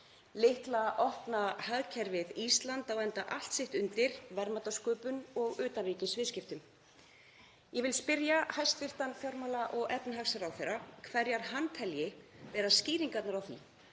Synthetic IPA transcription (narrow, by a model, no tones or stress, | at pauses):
lɪht̪laʔɔhpnahaðcʰɛɾvɪðist̪lant̪awɛnt̪aʔal̥t̪sɪht̪ʏnt̪ɪɾ̥vɛɾmat̪askœːpʏnɔɣʏːt̪anriːcɪsvɪðscɪft̪ʏm | jɛvɪlspɪɾjahajst̪fɪr̥t̪anfjɔwɾmaːlaʔɔɣɛpnɪɦaxsaɾawθejɾakʰvɛɾjaɾ̥ɦant̪ʰɛljɪvɛːɾasciːɾiŋkat̪naɾawθḭ